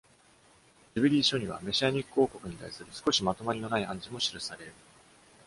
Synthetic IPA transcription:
d͡ʑɨbɯɾʲiːɕo̞ɲ̟iβa̰me̞ɕiaɲ̟ikːɯo̞ːko̞kɯ̟ɲ̟it̪a̰isɨɾɯ̟sɨ̥ko̞ɕimat̪o̞maɾʲino̞naiãɲ̟d͡ʑimo̞ɕiɾɯ̟saɾe̞ɾɯ̟

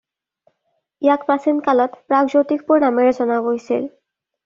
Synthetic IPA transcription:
ijakpasinkalɔt̪pɹakd͡ʑot̪ik̚puɹnameɹezɔnaɡojsʰḭl

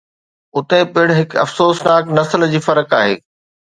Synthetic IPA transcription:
ʊt̪ẽpɪɽɦɪkɐ̰fsoːsnaːknɐsəld͡ʑiːfɐɾəkaːɦḛː

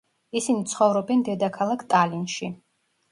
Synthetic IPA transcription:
isinit̪sʰχɔvɾɔbɛnd̪ɛd̪akʰalˠakʰt̪ʼalinʃi

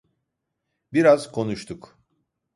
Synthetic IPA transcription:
biɾaz̥kʰo̞nuʃt̪ʰuk

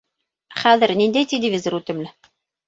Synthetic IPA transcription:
χæðɘ̆ɾnind̪æjt̪ʲelʲɪvʲizoɾʉt̪ɘ̆mlɘ

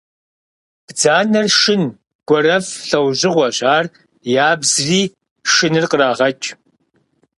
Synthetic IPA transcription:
b̥d͡zaːnɐrʃɪn | ɡ̥ʷɔɾɐfɬɐwʑɪʁʷɐɕaːr | jaːbzriː | ʃɨnɨrqəraːʁɐt͡ʃʼ

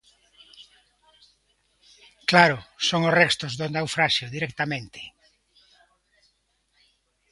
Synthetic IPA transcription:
klaɾʊsoŋosrɛst̪ozðonawfɾaʃjoðiɾɛk̚t̪amẽnt̪ʰe̥

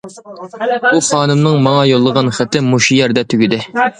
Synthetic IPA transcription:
b̥uχɑːnɨmnɨŋmɑŋɑjolˠːəʁɑnχæt̪ʰːɪmuʃijɛɾd̪ɛt̪ʰyɡʲyd̪ɪ

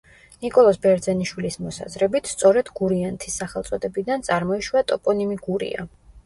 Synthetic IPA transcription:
nikʼɔlˠɔsbɛɾd̪zɛniʃwilismɔsa̰zɾɛbit̪ʰst̪sʼɔɾɛd̪ɡuɾiant̪ʰisːaχɛlˠt̪sʼɔd̪ɛbid̪ant̪sʼaɾmɔiʃwat̪ʼɔpʼɔnimiɡuɾḭa̰

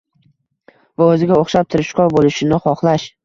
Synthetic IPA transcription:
vaɵzɪɡʲaoχʃap̚t̪ʰɪɾɪʃkɒɾbolɪʃɪnɪχɒχlˠaʃ

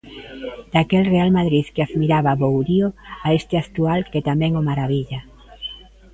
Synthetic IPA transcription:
d̪̥akelrealmaðɾiðkeaðmiɾaβaβowɾioaest̪ɪakt̪ualket̪amɛ̃ŋomaɾaβiʎa

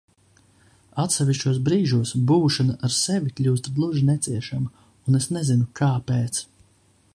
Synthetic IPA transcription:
at̪sɛʋʲiʃt͡ʃuɔs̬bɾiːʒuɔsbuːʃanaʔaɾseʋikʎʲuːst̪d̪lˠuʒinɛt̪siɛʃama | unesnezinukaːpeːt̪s

